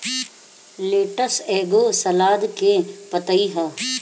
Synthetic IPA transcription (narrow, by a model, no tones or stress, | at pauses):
leːʈəseːɡoːsɐlaːd̪kẽpɐt̪əiɦɐː